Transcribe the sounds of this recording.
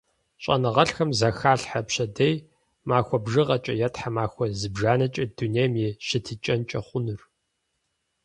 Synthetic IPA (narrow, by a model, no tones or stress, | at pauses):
ɕʼɐ̰nɨʁɐɬxɐmzɐxaːɬħapɕɐdej | maːxʷɔbʒɨʁɐt͡ʃʼɐjɛtħamaːxʷɔzɨbʒaːnɐt͡ʃʼɐdunejmjiːɕɪtʰit͡ʃʼɐnt͡ʃʼɐχʷʊnɨr